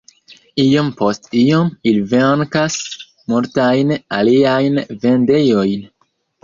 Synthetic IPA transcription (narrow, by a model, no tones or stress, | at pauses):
ijo̞mpo̞stiomiliveŋkas | multajnaliajnve̞nde̞jo̞jn